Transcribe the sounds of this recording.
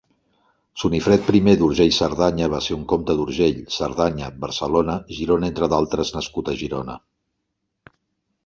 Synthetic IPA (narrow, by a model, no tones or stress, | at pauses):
sunifɾɛt̪̚pɾimeðuɾʒeʎsəɾðaɲəβ̞aseuŋkomt̪əðuɾʒeʎsəɾðaɲəbəɾsəlonəʒiɾonəent̪ɾəðalˠt̪ɾəznəskut̪əʒiɾonə